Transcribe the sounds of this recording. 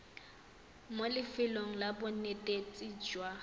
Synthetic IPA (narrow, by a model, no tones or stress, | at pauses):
molɪfɪloŋ̩labʊnetʼet͡sʼid͡ʒwa